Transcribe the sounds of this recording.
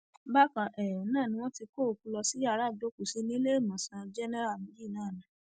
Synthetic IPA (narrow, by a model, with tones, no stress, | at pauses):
ba˦kã˨ʔɛ˨ɔ̃˨nãː˦˨nĩ˧w̃ɔ̃˦ti˧ko˦˨ku˧˦lɔ˧si˦a˦˨˦ɾa˦˨do˨˦ku˨si˦nĩ˦le˦e˦˨mã˨sã˧d͡ʒɛ˦nɛ˦ɾa˦˨mĩ˦d͡ʒi˦˨nãː˦˨nã˨˦